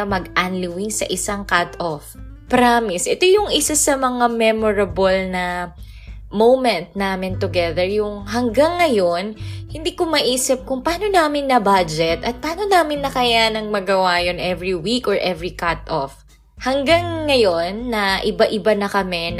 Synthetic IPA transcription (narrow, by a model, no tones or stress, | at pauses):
ɐmɐɡʔanlɪwiŋsɐ̰ʔɪsaŋkat̪ʔofpɾamɪsʔɛt̪o̞jʊŋʔɪsasɐmɐŋamɛmoɹɐbolnɐ | mowmɛ̃nt̪̚naːmɪnt̪ʊɡɛðɛɹjʊŋɦɐŋɡaŋːɐjonhɪnd̪iːkʊmɐʔiːsɪp̚kʊŋpɐaːno̞naːmɪnːɐbad͡ʒɛt̪ʔɐt̪̚pɐaːno̞naːmɪnːɐkɐjanɐŋmɐɡɐwajonʔɛvɹiwikʔɔɹʔɛvɹikat̪ʔof | hɐŋɡaŋːɐjo̞nːɐʔɪbaʔɪbanɐkɐmɛn